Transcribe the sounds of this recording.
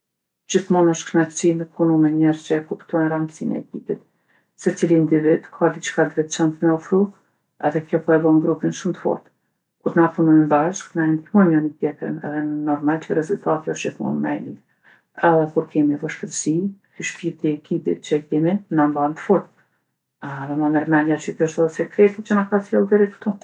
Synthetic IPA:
d͡ʑiθmɔnɔʃtknasinəpunumɛɲɛɾt͡ɕɛkupt̪ɔjnɾand̪sinɛ̰ɛkipit̪ | sɛt͡silind̪ivid̪kʰad̪it͡ʃkad̪ɾɛt̪t͡ʃɛnt̪mɛɔfɾu | ɛðɛkjɔpɔɛbɔŋɡɾupinʃumt̪əfɔ̰ɾt̪ | kuɾnapunɔjmbaʃknaɛnd̪imumjɔnit̪jɛt̪ɾə̰nɛ̰ðɛnɔɾmalt͡ʃəɾɛzult̪at̪iɔʃiθmṵnmɛjni | ɛðɛkuɾkɛmibaʃkəɾsi | yʃpiɾt̪iɛkʰipḭt̪̚t͡ʃəkɛminambant̪əfɔɾt̪̚ | ɛðɛmamɛɾmɛnjat͡ʃikəʃðɔsɛkɾɛt̪it͡ʃənakasjɛlˠd̪ɛɾikt̪u

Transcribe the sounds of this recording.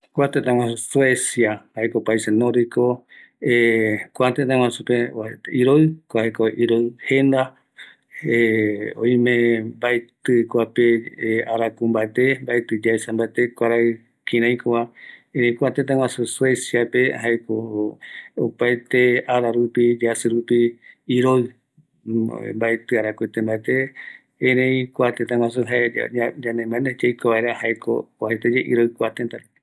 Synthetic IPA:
kʷat̪ẽt̪ãwãsswesjahaekopaisenõɾiko | ekʷat̪et̪ãwãsupeiɾoɨkʷaekoʔiɾoɨhẽnd̪a | eõ̰ĩmẽmbaet̪ɨkʷapeeaɾakũmbaet̪embaet̪ɨd͡ʒasãmbaet̪ekʷaɾaɨ | kĩɾ̃ãj̃kowaẽɾẽj̃kʷat̪et̪̬ãwãsuswesiapehaeko | opajt̪eaɾaɾupid͡ʒasɨɾupiːɾo | mbaet̪ɨaɾakʷet̪ẽmbaet̪ẽː | ɾẽj̃kʷat̪et̪̬ãŋwãs̬uɦaḛd͡ʒãnẽmãned͡ʒejkoβaeɾahaeko̰ohet̪ad͡ʒeʔḭɾoɨkʷat̪ẽnt̪a

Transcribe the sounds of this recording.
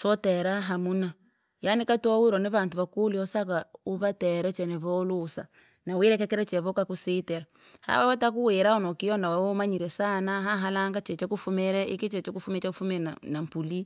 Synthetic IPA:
sɔtɛɾaɦamuna | janikatowiɾɔniβaːntuβakuliɔsakauβatɛɾɛt͡ʃɛnɛβɔlusa̰ | nawiɾɛkɛkiɾɛt͡ʃɛβokakusitɛɾa | ha̰βawatakuweɾaɔnɔkijɔnawawomaɲiɾɛsanaɦaɦalaŋɡat͡ʃɛt͡ʃakufumɛɾɛekit͡ʃɛt͡ʃekufumt͡ʃakufumɛnanam̩puli

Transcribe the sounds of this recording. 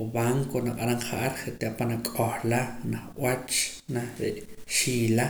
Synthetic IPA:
βaːŋkonaqʼaɾaɴχaʔaɾχeʔt̪aʔpanakʼohlanaχʔwat͡ʃ | naɾeʔ | ʃiːla

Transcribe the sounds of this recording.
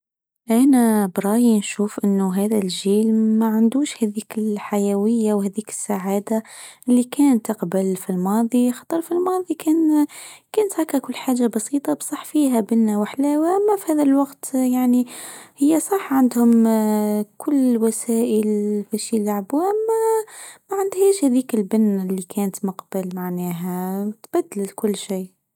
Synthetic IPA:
ʔænæbɾˤɑːjinʃuːfʔɪnːʊɦæːðælʒiːlmaʕand̪uːʃhæðiːkɪlħajæwɪjːawhæːd̪ðiːkɪ̥sːaʕaːd̪aʔɪlːikæːnt̪ːɑqbalfilmɑːðˤixɑ̥t̪ˤəɾˤfilmɑːðˤikʰæːnkæːnt̪hækækʊlːħaːʒːabɑsiːt̪ˤɑbsˤɑħːfiːɦæbɪlnawaħlæwaʔæmːæfihæːðælwɑqt̪jaʕnihɪjːasˤɑħʕand̪hʊm | kʰʊlːwæsæːʔəlbæʃilːaʕbuʔamːæmæʕɪnd̪hæːʃhæðiːkɪlbɪnːlːikʰæːnət̪mʊqb̥ɪlmaʕnæːɦæt̪b̥æd̪ːlɪlkʊlːʃiː

